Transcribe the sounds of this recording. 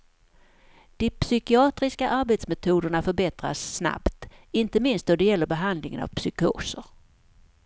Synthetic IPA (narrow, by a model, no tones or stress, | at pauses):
d̪̥ɪpsʏkɪɑːt̪ɾɪskaʔaɾbet̪smɛt̪ʰuːd̪əɳafœɾbɛt̪ɾa̰sːna̰pt̪ɪnt̪əmɪnst̪d̪ɔd̪ɛjɛlːəɾbɛɦand̪lɪŋə̰na̰vpsʏko̰ːsəɾ